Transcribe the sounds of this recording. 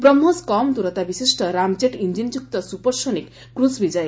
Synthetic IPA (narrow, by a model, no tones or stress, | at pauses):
bɾɔmːoskɔmt̪uɾɔt̪abisisʈɔɾamd͡ʒeʈind͡ʒind͡ʒuk̚t̪ɔsupɔɾsonikːɾusbid͡ʒɔj